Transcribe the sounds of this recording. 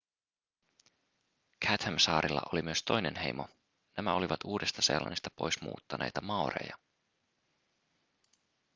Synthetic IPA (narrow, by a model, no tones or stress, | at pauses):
kʰæt̪hæmsɑːɾilːɑ̰ʔolimyøst̪o̞jne̞nɦe̞̰jmo̞ | næmæo̞liʋɑt̪uːdest̪ɑse̞̰lːɑ̰nist̪ɑpo̞jsmṵːt̪ːɑnʔe̞̰jt̪ɑmɑorḛjɑ